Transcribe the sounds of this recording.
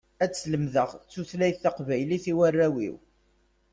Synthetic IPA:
æt͡sːləmðəʁt͡sːuθlæjθːɑqvæjliθiwærːæwḭw

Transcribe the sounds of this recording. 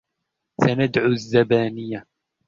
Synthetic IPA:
sanad̪ʕuzːabaːnɪjːa

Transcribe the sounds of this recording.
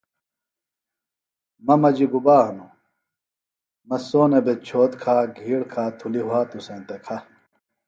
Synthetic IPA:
mɐmɐd͡ʑiɡubaːɦɐnu | mɐsoːnebet͡ɕʰoːt̪kʰaːɡʱiːɽkʰaːt̪ʰuliɦuaːt̪usẽːnt̪ekʰɐ

